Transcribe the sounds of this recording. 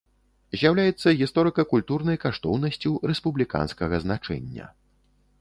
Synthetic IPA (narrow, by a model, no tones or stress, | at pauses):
zʲjawlʲajɛt̪sːɐɣʲist̪ɔɾɨkɐkulʲt̪urnɐjkaʂt̪ɔwnɐsʲt͡sʲuɾɛspublʲika̰nskɐɣɐznat͡ʂɛ̰nʲːɐ̰